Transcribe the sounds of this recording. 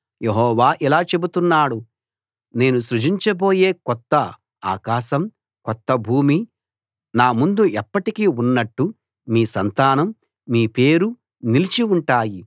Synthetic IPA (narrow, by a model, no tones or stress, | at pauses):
jeɦɔːʋaːʔilaːt͡ʃe̞but̪unːaːɽu | ne̞ːnuʃɾud͡ʒiɲt͡ʃɐbo̞ːje̞ːkɔt̪ːɐ | a̰ːkaːʃɐm | kɔt̪ːɐbʱuːmi | naːmund̪uʔɛpːɐʈikiunːɐʈːu | miːsɐnt̪aːnɐmː | iːpe̞ːɾu | nilit͡ʃiuɳʈaːji